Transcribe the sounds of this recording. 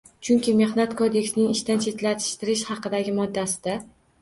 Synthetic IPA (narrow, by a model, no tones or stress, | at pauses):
t͡ʃʰʊŋkʲɪme̞hnat̪kʰod̪e̞kʲsnɪŋɪʃt̪ant͡ʃʰe̞t̪lat̪ʰɪ̥ʃt̪ɪɾɪʃhɑqɨd̪aɡʲɪmɒd̪ːasɪd̪a